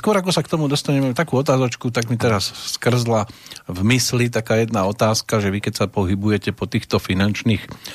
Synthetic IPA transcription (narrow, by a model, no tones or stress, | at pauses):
skʊɔɾakɔsakt̪ɔmud̪ɔst̪aɲɛmɛt̪akuːɔt̪aːzɔt͡ʃkut̪aɡmit̪ɛɾasːkr̩zlavmislit̪akaːjɛd̪naɔt̪aːskaʒɛʋikɛcsapɔɦibujɛcɛpɔt̪iːxt̪ɔfinant͡ʃniːx